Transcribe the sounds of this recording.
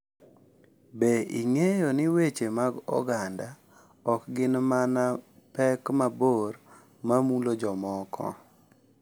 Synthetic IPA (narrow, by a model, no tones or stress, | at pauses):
beiŋejonɪwet͡ʃemaɡɔ̰ɡanda | ɔkɡɪnmanapɛkmaboɾ | mamulod͡ʒɔmɔkʰɔ̰